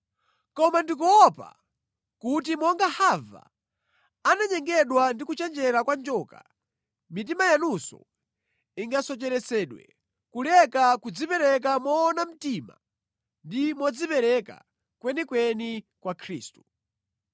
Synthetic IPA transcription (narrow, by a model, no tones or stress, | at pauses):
kɔmandik̬ɔɔpa̰ | kut̬imɔŋɡahava̰ | anaɲɛŋɡɛɗwandikut͡ʃɛnd͡ʒɛɾakwand͡ʒɔːka̰ | mit̬imajanusɔ̰ | iŋɡasɔt͡ʃɛɾɛsɛɗwɛ̰ | kulɛkakud͡zipɛɾɛk̬amɔːnam̩tiːma̰ | ndimɔd͡zipɛɾɛka̰ | kwɛnikwɛnikwakʰɾiːstu̥